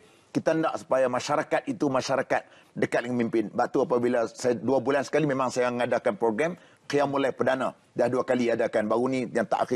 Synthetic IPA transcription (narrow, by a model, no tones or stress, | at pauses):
kit̪aəndaʔsu̥pajamaʃaɾakat̪̚it̪umaʃaɾakat̪̚ | dəkat̪̚lŋəmimpɪnbaʔt̪uapabilasaduabulansə̥kalimemãŋsajaŋadakanpɾoɡɾɛm | kijamulajpədanã | dahduakaliadakanbaɾunĩjaŋt̪a̰ʔaxi